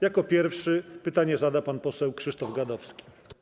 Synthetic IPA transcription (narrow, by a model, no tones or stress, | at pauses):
jakɔpʲjɛɾfʂɘpɘt̪aɲɛzad̪apanpɔsɛwkʂɘʂt̪ɔvɡad̪ɔfskʲi̥